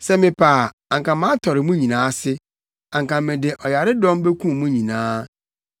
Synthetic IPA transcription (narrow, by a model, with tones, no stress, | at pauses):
sɛ˦mɪ̃˨pʰaː˨ | ã˨ŋkã˨mã˦tʰɔ˨ɾɪ˨mũ˦ɲĩ˨nãː˨˦sɪ˦ | ã˨ŋkã˨mɪ̃˨dɪ˨ʔɔ˨ja˨ɾɪ˦dɔ̃˦m˦be˦kʰũ˦˨mũ˦ɲĩ˨nãː˦